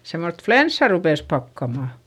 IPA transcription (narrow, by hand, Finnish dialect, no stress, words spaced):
semːost flensːɑ rupeˑs pɑkːɑmɑˑ